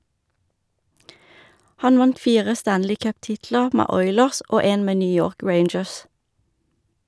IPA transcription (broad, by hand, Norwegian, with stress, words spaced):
ˈhɑn ˈʋɑnt ˈfiːʁə ˈstænlɪ ˈkœpˌtɪtlə ˈmeː ˈɔʏləʁs ˈoː ˈeːn ˈmeː ˈnyː ˈjoːʁk ˈɹeɪnd͡ʒəs